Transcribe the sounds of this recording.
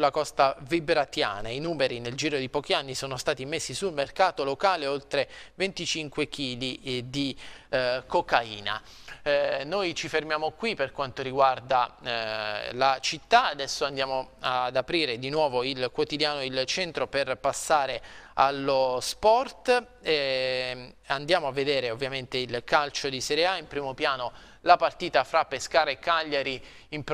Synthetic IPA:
ulːakɔst̪avibɾat̪ja̰ːnainuːmeɾineld͡ʒiːɾod̪ipɔːk̟ianːisoːnost̪aːt̪imesːisulmerkaːt̪olokaːleolt̪ɾevent̪it͡ʃiŋkwek̟iːlid̪i | kokaiːna̰ | nojt͡ʃifermjaːmokwiperkwant̪oɾiɡward̪a | lat͡ʃit̪ːaad̪ɛsːoand̪jaːmoad̪apɾiːɾed̪inwɔːvoilkwot̪id̪jaːnoilt͡ʃɛnt̪ɾoperpasːaːɾealːospɔrt̪ | and̪jaːmoavːed̪eːɾeovːjament̪eilkalt͡ʃod̪iseɾeaimpɾiːmopjaːno | lapart̪iːt̪afɾapːeskaːɾaekːaʎːaɾi | imp

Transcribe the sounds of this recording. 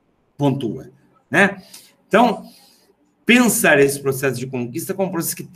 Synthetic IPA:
põnt̪ṵɐ̰ | nɛ | ẽt̪ɐ̃w̃ | pẽsaɾesɪ̥pɾosɛsʊd͡ʒɪkõŋkist̪ɐkõpɾosɛsʊ̥kɪt̪

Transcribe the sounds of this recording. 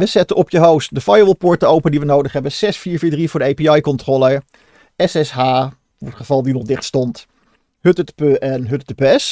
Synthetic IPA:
ʋəzɛtəʔɔpjəɦowstdəfajəʋəlˠpʊɹtəowpəndiʋənowdəχɦɛbənz̥ɛsfiːɹviːɹdrivʊːɹdəejpiɑjkɔntrolˠə | ɛsɛsɦaː | ʋɔɹtχəvɑlˠdinɔχdɪχtstɔnt | hɵtətpøʔɛnɦɵttəpːɛs

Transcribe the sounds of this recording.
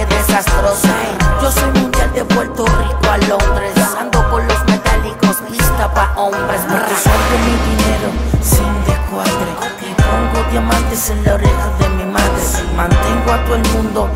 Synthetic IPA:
eðesast̪ɾosaed͡ʒosojmũnd̪jald̪eβwelt̪orikoalond̪ɾesand̪opoɾlozmet̪alikosist̪apaʔombesaesaɾkemiðineɾosind̪ekwaðɾe | ipoŋɡot̪jomasd̪eseloɾeɣoðemimaðɾemãnt̪eŋɡoat̪oelmũnd̪o

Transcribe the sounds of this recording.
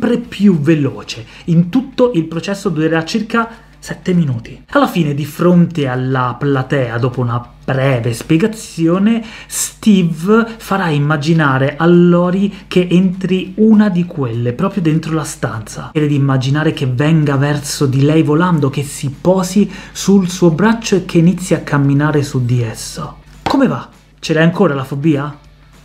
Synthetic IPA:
pɾepʰjuvelɔːt͡ʃeint̪ut̪ːoʔilpɾot͡ʃɛsːod̪uɾeɾat͡ʃirka | sɛt̪ːeminuːt̪ialːafiːned̪ifɾont̪ealːaplat̪ɛːad̪oːpouna | bɾɛːvespjeɡat̪sːjoːnest̪ivfaɾaimːad͡ʒinaːɾeʔalːɔːɾik̟eʔent̪ɾiunad̪ikwelːepɾɔːpɾjod̪ent̪ɾolast̪a̰nt̪sa̰ɛd̪ed̪iːmːad͡ʒinaːɾek̟evɛŋɡavɛrsod̪ilɛjvoland̪okesːipɔːsisulsuːobɾat͡ʃːoekʰːeːnit̪sːjiakʰːamːinaːɾesud̪iesːokomeva | t͡ʃelaaŋkoːɾalafobːiːa

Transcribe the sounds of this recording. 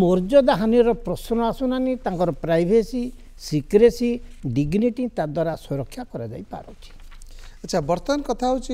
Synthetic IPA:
mɔɾd͡ʒɔd̪aɦaniɔɾɔpɾɔsnɔasunanet̪ãŋkɔɾɔpɾajbʱesi | sikɾesiɖiɡniʈit̪ad̪waɾaswɔɾɔkʰːjakɔɾad͡ʒa̰jpa̰ɾɔ̰t͡ʃʰi̥ | atːt͡ʃʰabɔɾt̪ɔnkɔt̪ʰaɦut͡ʃʰi

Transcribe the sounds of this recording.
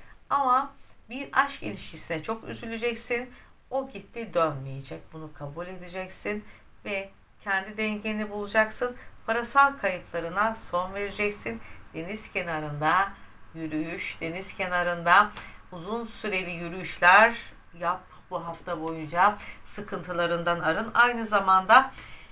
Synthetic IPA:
amabiɾaʃkḭlʲiʃcisinɛt͡ʃʰo̞ky̰zylʲyd͡ʒɛcsin | o̞ɟit̪ʰːid̪ømlʲejed͡ʒɛc̚bunukʰabulʲe̞d̪id͡ʒɛcsin | vɛ | cʰɛnd̪id̪ɛɲɟeinibulˠud͡ʒaksɯnpʰaɾasalˠkʰajɯplˠaɾɯnaso̞nve̞ɾid͡ʒɛcsind̪̥e̞nizcʰenaɾɯnd̪ajyɾyjyʃd̪̥e̞niz̥cʰenaɾɯnd̪auzunsyɾe̞lʲijyɾyyʃlʲæɾ | jap | buɦaft̪ʰabo̞jund͡ʒasɯkʰɯnt̪ʰɯlˠaɾɯnd̪anaɾɯnajnɯzamand̪a

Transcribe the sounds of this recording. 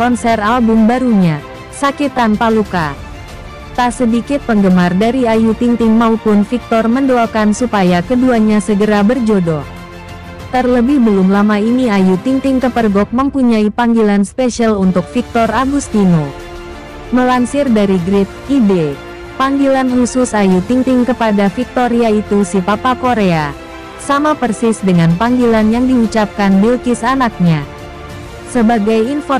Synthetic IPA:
kɔnsɛralbʊmbaɾuɲa | sakit̪anpaluka | t̪asədikɪt̪̚pəŋɡəmardaɾiajut̪iŋt̪ɪŋmaupʊnfik̚t̪ɔrməndoalkansupajakəduaɲasəɡəɾabərd͡ʒodɔ | t̪ərləbɪhbəlʊmlamainiajut̪iŋt̪ɪŋkəpərɡɔk̚məmpuɲaipaŋɡilanspesalunt̪ʊk̚fik̚t̪ɔraɡust̪ino | məlansɪrdaɾiɡɾɪt̪̚ibe | paŋɡilanhusʊsajut̪iŋt̪ɪŋkəpadafik̚t̪oɾiait̪usipapakoɾea | samapərsɪsdəŋanpaŋɡilanjaŋdiut͡ʃap̚kanbilkɪsanak̚ɲa | səbaɡajinfɔ

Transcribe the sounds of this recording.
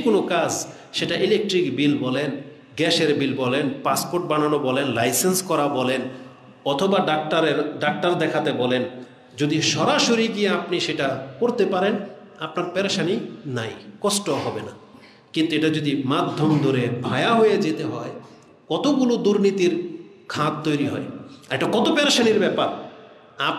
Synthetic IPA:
konokad͡ʑ | ʃeʈaʔilek̚ʈɾikbilbɔlen | ɡɛʃeɾbilbɔlenpaspoɾʈ̚bananobɔlenlajsenskɔɾabɔlen | ɔt̪ʰobaɖaʈaɾeɾɖak̚ʈaɾd̪ɛkʰat̪ebɔlen | d͡ʑod̪iʃɔɾaʃoɾiɡieapniʃeʈakoɾt̪epaɾen | apnaɾpɛɾaʃaninajkɔsʈoɦɔbena | kint̪eʈad͡ʑod̪imad̪ʱːomd̪ʱoɾebʱajaɦojed͡ʑet̪eɦɔe | kɔt̪oɡulud̪uɾnit̪iɾ | kʰãd̪̚t̪ːojɾiɦɔ̰eeʈakɔt̪opɛɾaʃaniɾbɛpaɾ | a

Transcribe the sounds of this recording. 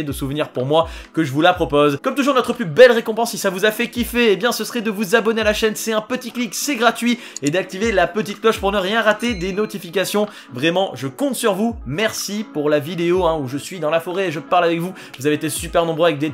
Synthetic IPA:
ed̪əsuvniʁpuʁmwakəʒəvulapχɔpozkɔmt̪uʒuʁnɔt̪χəplybɛlʁekɔ̃pɑ̃sisavuzafɛkʲifɛːbjɛ̃səsəχɛd̪əvuzabɔnealaʃɛnsɛɛ̃pət̪ikliksɛɡʁat̪ɥi | ed̪ak̚t̪ivelapət̪it̪̚klɔʃpuʁnəʁjɛ̃ʁat̪ed̪enɔt̪ifikasjɔ̃ | vʁɛmɑ̃ʒəkɔ̃t̪syʁvumɛʁsipuʁlavid̪eoɛ̃uʒəsɥid̪ɑ̃lafɔʁeːʒəpaʁlavɛkvu | vuzaveet̪esypɛʁnɔ̃bʁøavɛk̚d̪e

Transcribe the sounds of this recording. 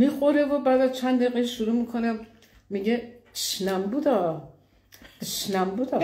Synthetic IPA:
mixoɾevobæːd̪æzt͡ʃʰænd̪eɣeiʃuɾuːmikʰo̞ne | miɡeʃnæmbud̪ɒː | ʃnæmbuːd̪ɒ

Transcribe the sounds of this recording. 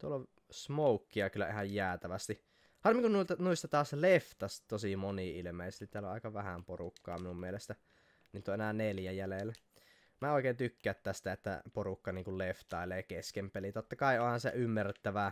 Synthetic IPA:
t̪uolːo | smoukːiɑkylːˑæ̰ʔihɑjjæːt̪æʋæst̪i | ɑrmːiŋkunnuilt̪ɑnuist̪ɑt̪ɑːsleft̪ɑst̪osimoniilmeˑisest̪it̪æloʔɑ̰ˑikɑʋæhæmporukːɑ̰ːminummielest̪æ | niːt̪ːoʔenæneljæjælelːæ | mæːoˑikeˑːnt̪ykːæːt̪tːæst̪æet̪ːæ̰porukːɑniːŋkulleft̪ɑˑeleːɑkeskempelit̪ot̪ːɑkɑiohɑnsḛʔymːæret̪ːæʋæ

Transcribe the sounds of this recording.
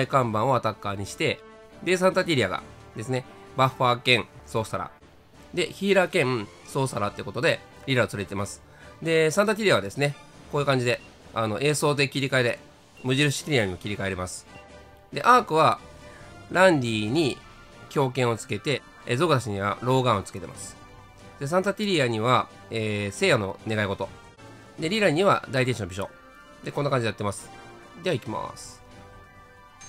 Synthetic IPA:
aikãmbãɰ̃o̞at̪akːaɲ̟iɕi̥t̪e̞ | d̪e̞s̬ãnt̪at̪ʲiɾiaɡa̰ | d̪̥e̞sɨne̞ | baɸaːkẽ̞ɴso̞ːsaɾa̰ | d̪e̞çiːɾakẽ̞m | so̞ːsaɾat̪eɯ̟ko̞t̪o̞d̪e̞ | ɾʲiɾaot͡sɨɾet̪e̞masɨ̥ | d̪e̞sãnt̪at̪ʲiɾʲiaβad̪e̞sɨne̞ko̞ːjɯ̟kãɲ̟d͡ʑid̪e̞ | ano̞ʔe̞ːso̞ːt̪e̞kʲiɾʲikaeɾe̞ | mɯ̟ʑiɾɯ̟si̥kʲiɾʲiaɲ̟imokʲiɾʲikae̞ɾimasɨ̥ | d̪e̞ʔaːkɯ̟βa | ɾãndʲiːɲ̟i | kʲo̞ːkẽ̞ɰ̃o̞t͡sɨ̥ke̞t̪e̞ | ezo̞ɡɯzaɕiɲ̟iβa̰ɾo̞ːɡãot͡sɨ̥ke̞t̪e̞ma̰sɨ̥ | d̪̥e̞s̬ãnt̪at̪ʲiɾʲiaɲ̟iβa | eːse̞ːjano̞̰ne̞ɡaiɡo̞t̪o̞̰ | d̪e̞ɾʲiɾaɲ̟ːiβa̰d̪ait̪eɕinobʲiɕo̰ | d̪e̞kõ̞nːakaɲd͡ʑid̪eat̪ːemasɨ̥ | d̪eaikʲima̰sɨ̥

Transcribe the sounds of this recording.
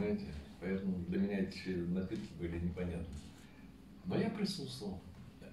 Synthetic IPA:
majɪtʲɪpɐjɛt̪əmʊd̪lʲəmʲɪnʲat̪ʲɪ̥ʃʲenɐpʲit̪kʲɪbɨlʲɪnʲɪpɐnʲat̪nə | nojapɾʲɪsust̪vəlˠ

